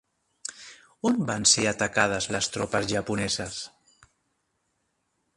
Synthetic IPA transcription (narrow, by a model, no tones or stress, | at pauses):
ombanseat̪akað̞azlast̪ɾɔpazʒapunɛzas